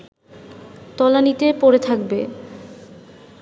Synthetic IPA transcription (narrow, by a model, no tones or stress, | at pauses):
t̪ɔlanit̪epoɾet̪ʰak̚be